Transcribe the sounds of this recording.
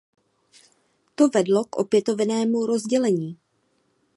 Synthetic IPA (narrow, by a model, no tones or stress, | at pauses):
t̪o̞vɛdlo̞kʔo̞pjɛt̪o̞vnɛːmuɾo̞zɟɛlɛɲiː